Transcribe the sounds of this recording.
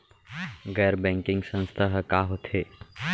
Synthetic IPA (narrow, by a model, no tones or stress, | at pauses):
ɡɛːɾbɛ̃ːŋkɪ̃ŋɡsə̃nst̪ʰaɦkaɦot̪ʰeː